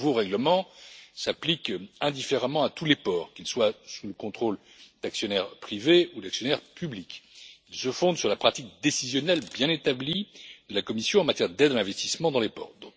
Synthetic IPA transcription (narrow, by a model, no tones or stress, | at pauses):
voʁɛɡləmɑ̃saplikɛ̃d̪ifeʁamɑ̃at̪ulepɔːʁkʲilswasuləkɔ̃t̪χol | d̪̥aksjɔnɛʁpχiveud̪aksjɔnɛʁpyblikilsəfɔ̃d̪syʁlapχat̪ik̚d̪esizjɔnɛlbjɛ̃net̪ablid̪əlakɔmisjɔ̃ɑ̃mat̪jɛʁd̪ɛd̪alɛ̃vɛst̪ismɑ̃d̪ɑ̃lepɔ̰ʁd̪ɔ̃k